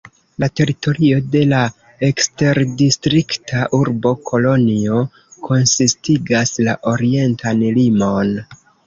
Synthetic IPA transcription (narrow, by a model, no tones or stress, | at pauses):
late̞ɾito̞ɾio̞de̞la | ekste̞ɾdistɾiktʰaʔuɾbo̞kʰo̞lo̞nio̞ | kʰo̞nsistiɡaslaʔo̞ɾie̞ntʰanlimo̞n